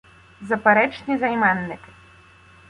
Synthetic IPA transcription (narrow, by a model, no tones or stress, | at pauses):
zɐpɛɾɛt͡ʂnʲizajmanːɨk